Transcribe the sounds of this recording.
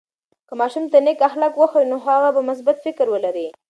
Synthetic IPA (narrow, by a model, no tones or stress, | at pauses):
kəmɑʃumt̪anekaxlakwəxwinoɦaɣabamʊs̬bat̪fɪkɾwəlaɾi